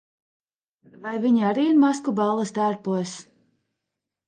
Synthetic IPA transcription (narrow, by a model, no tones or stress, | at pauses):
vajviɲaɾiːiɾmaskubalˠːɐst̪æːɾpuɔs